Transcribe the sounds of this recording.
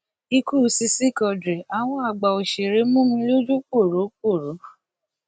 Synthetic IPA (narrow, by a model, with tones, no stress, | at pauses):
i˧ku˦˨˦si˧si˦˨kɔ˧dɾe˨a˨w̃ɔ̃˧a˨ɡ͡ba˨o˨ʃe˨ɾe˨˦mũ˦mĩ˧˦lo˦d͡ʒu˦k͡po˦˨ɾo˨˦k͡po˦˨ɾo˨˦